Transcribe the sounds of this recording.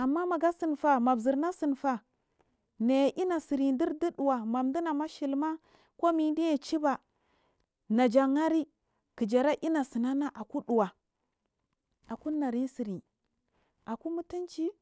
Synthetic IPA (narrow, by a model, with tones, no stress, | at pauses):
a˨mːa˦ma˨ɡa˦si˨nfa˨ma˨bzi˨ɾna˦si˨nfa˨ | na˨jʔi˦na˨si˨ɾi˨di˦ɾdi˦ɗu˨wa˨ma˨mdi˦na˨ma˦ʃi˨lma˦ | ko˦mi˨˦di˦ja˨t͡ʃi˦ba˨ | na˨d͡ʒa˨ŋa˦ɾi˦ | ki˨d͡ʒa˨ɾa˦ʔi˦na˨si˨na˦na˦ʔa˨ku˦ɗu˨wa˨ | a˨ku˦na˨ɾi˦n˦si˨ɾi˨ | a˨ku˦mu˦ti˦nt͡ʃi˦